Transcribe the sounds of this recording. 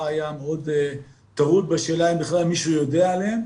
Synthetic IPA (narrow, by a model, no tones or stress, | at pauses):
ajameo̞d | t̪aʁut̪̚beʃeːlaimbiχlalmiʃujo̞deaːlem